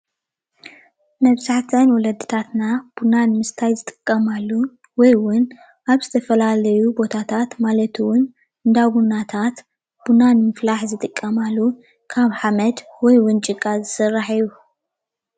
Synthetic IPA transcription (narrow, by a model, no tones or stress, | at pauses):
nɐβzaħt̪ʰɐnwɔlɐd̪ːɨt̪ʰat̪nab̥unanmɨst̪ʰajzɨt̪ʼɨkʼːɐmalːu | wɔjwʊn | ʔaβzɨt̪ʰɐfɐlalɐjubo̞t̪ʰat̪ʰat̪malɐt̪ʰuwʊn | ɨnd̪aβunat̪ʰat̪ | b̥unanmɨflaħzɨt̪ʼɨkʼːɐmalːu | kʰaβħamɐd̪wɔjwʊnt͡ʃʼɨɡʼazɨsɨrːaħiju